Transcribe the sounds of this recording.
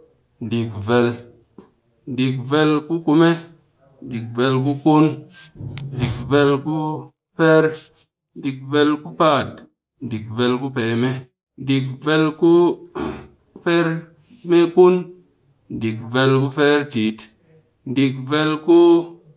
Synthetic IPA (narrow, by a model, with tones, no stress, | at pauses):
ndi˨kve˨l | ndi˨k̚ve˦lku˦ku˧me˦ | ndi˨k̚ve˧lku˦ku˦n | ndi˨kve˦lku˦ | fe˦ɾ | ndi˨kve˧lku˦pa˦˨t | ndi˨kve˧lku˦pe˨me˦ | ndi˨kve˧lku˦ | fe˦ɾ | me˦ku˦n | n˨di˨kve˧lku˦fe˦ɾti˨t | ndi˨kve˧lku˦